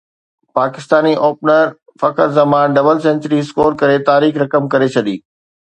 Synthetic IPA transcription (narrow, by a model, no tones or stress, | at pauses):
paːkɪst̪aːniʔoːp̚nəɾ | fɐkəɾzɐmãːɖɐbəlsɛ̃ːɲt͡ɕəɾiɪskoːɾkɐɾet̪aːɾiːxɾɐkəmkɐɾet͡ɕʰɐɗiː